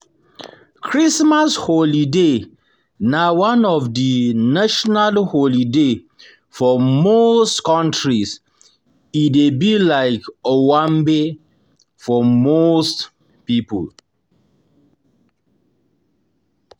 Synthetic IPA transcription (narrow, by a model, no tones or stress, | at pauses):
kʰɹismasholide | nawãnɔvdinaʃɔnalholide | fɔmostkɔ̃ntɹis | idebilaɪkowãmbe | fɔmost | pipə̰l